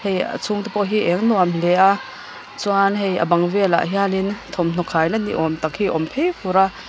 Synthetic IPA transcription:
heja̰t͡sʰuŋt̪ipɔʔɦiʔɛŋnɔamlɛʔa | t͡swanɦeja̰bɐŋvɛla̰ʔɦialint̪ʰɔmn̥ɔkʰajlanḭʔɔmt̪ak̚hiʔɔmpʰejfuɾaʔ

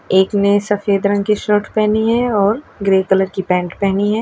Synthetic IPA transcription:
eːknesɐfeːd̪ɾɐ̃ŋɡkiʃəɾʈpɛɦniɦɛɔːɾɡɾeːkələɾkipɛ̃ːɳʈpɛɦniɦɛː

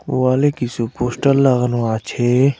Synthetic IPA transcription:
waːlekisupoːsʈɐlːaɣɐnũaːt͡ʃʰe

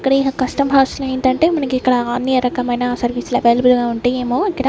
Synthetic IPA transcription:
kːɐɽɐiɐkɐsʈɐmɦɐwslɐɳʈɐɳʈeːmɐnɐkiikːɐɽɐɐnːijɐɾɐkɐmɐjnɐsɐɾʋiːslɐbelbulɡaːuɳʈeːeːmoːikːɐɽɐ

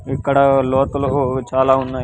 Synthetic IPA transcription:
ikːɐɽɐloːt̪ɐloot͡ʃaːlaːɦunːa

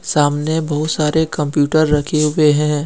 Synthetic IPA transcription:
saːmnebɐɦʊt̪saːɾekɐ̃mpjuːʈəɾːɐkʰeɦʊeɦɛ̃ː

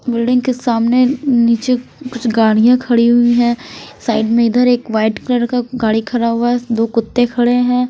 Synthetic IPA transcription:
bɪlɖɪ̃ŋɡkesaːmneniːt͡ʃekʊt͡ʃʰɡaːɽijãkʰɐɽiɦʊiɦɛ̃ːsaːɪɖmẽɪd̪əɾeːkʋaːɪʈkələɾkaɡaːɽikʰɐɾaɦʊaɦɛd̪oːkʊt̪ːekʰɐɽeɦɛ̃ː

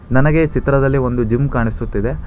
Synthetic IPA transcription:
nɐnɐɡe̞t͡ʃit̪ɾɐd̪ɐlːiʋo̞nd̪ud͡ʒimkaːɳisut̪ːid̪e̞

